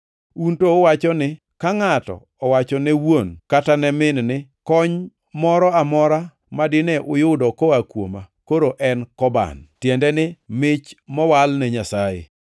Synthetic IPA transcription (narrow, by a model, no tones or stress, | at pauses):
untoːwat͡ʃɔnɪ | kaŋatɔ̰ | ɔwat͡ʃɔnɛwonkatanɛmɪnnɪkɔɲ | mɔɾɔamɔɾa | madɪnɛʔʊjʊdɔkɔakwo̰makoɾoʔɛnkɔba̰ntjɛndɛnɪmɪt͡ʃmɔwalnɛɲasajɪ̰